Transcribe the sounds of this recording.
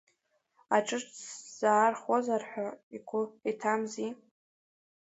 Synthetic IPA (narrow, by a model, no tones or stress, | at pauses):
aʈ͡ʂʼɨʈ͡ʂʼz̥aːrχozarħʷᶣaikʷʰʊitʰamzi